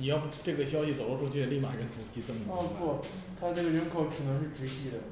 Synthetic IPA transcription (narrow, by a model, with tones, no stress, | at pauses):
ni˨˩jɑ˥˧ʊʈ͡ʂɤ˥˩ɡə˩ɕ̬jɑ˥ʊɕi˨t͡so˨˩ʊlʈ͡ʂʰu˥˧˩t͡ɕʰy˥˩ə˧li˥˩ma̰˨˩ɻə˧˥nkʰo˨˩ʊ˧t͡ɕi˧˥t͡sɤ˥˩mə˨˩˥kwɔ˥˩ | t̪ʰa˥ʈ͡ʂɤ˥˩ɡə˩ɻə˧˥nkʰo˧˩ʊʈ͡ʂʰɻ̩˨˩nɤ˧˥ŋʂɻ̩˥˩ʈ͡ʂɻ̩˧˥ɕi˥˩d̪ə˩